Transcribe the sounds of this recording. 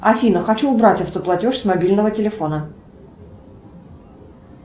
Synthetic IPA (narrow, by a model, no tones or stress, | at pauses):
ɐfʲinəxɐt͡ɕuːbɾatʲəft̪əplˠɐtʲoʂsmɐbʲilʲnəvətʲɪlʲɪfo̞nə